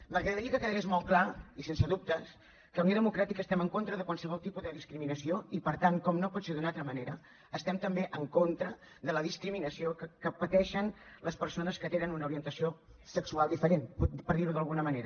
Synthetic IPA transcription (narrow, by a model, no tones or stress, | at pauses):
məɣɾəðəɾiəkəkəðəɣezmɔlˠklaisensəðup̚t̪əs | kəəwnioðəmukɾat̪ikəːst̪ɛməŋkont̪ɾəðəkwalˠsəβɔlˠt̪ipuzðəðiskɾiminəsioipəɾt̪aŋkɔmnopɔt̪seðunat̪ɾəməneɾəː | st̪ɛmt̪əmbeʔəŋkont̪ɾə | ðələðiskɾiminəsiokəkəpət̪ɛʃənləspəɾsonəskət̪enənunəuɾiənt̪əsiosəksualˠd̪ifəɾenppəɾðiɾuðəlˠɣunəməneɾə